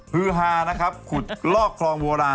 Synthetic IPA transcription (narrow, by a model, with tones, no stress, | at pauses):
pʰɯ˦˥ɦaː˧na˦˥kʰa˦˥p̚kʰu˨˩t̪̚lɔː˥˩kʰlɔː˧ŋwoː˧ɾaː˧